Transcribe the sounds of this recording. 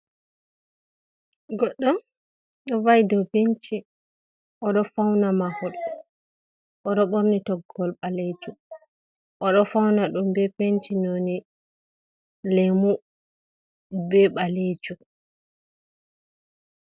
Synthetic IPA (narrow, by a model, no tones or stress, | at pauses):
ɡɔɗːɔn | ɗɔvajdɔpeɲt͡ʃi | ʔɔɗɔfawnamahɔɗ | ʔɔɗɔɓoɾnitɔɡɔlɓaled͡ʒu | ʔɔɗɔfawnaɗumbɛpeɲt͡ʃinoni | lɛmu | bɛɓaled͡ʒu